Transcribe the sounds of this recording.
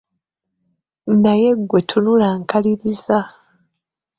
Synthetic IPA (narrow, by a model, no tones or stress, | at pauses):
naje̞ɡːwe̞tʰunulaːŋkaliɾiza